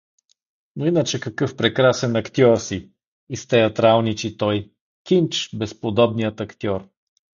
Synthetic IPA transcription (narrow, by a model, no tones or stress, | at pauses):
noinət͡ʃɛkɐkɤfpɾɛkɾasɛnɐkt̪ʲɔɾsi | ist̪ɛɐt̪ɾalˠnit͡ʃit̪ɔj | kʲint͡ʃbɛspod̪ɔbnijət̪ɐkt̪ʲjɔɾ